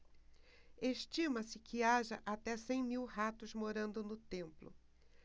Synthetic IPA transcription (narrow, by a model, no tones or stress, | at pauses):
eʃt͡ʃĩmɐsɪkʰɪaʒɐʔat̪ɛsẽj̃miwhat̪ʊzmoɾɐ̃nd̪ʊnʊt̪ẽmplʊ̰